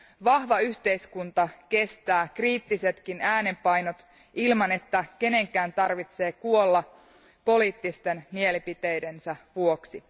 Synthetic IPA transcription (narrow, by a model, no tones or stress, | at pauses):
ʋɑhʋɑyçt̪e̞iskunt̪ɑke̞st̪æːkriːt̪ːise̞t̪kinæːne̞mpɑjno̞t̪ | ilmɑne̞t̪ːæke̞ne̞ŋkˑæːnt̪ɑrʋit̪se̞ːkuolːɑ | po̞liːt̪ːist̪e̞nmie̞lipit̪ejde̞nsæʋuoksi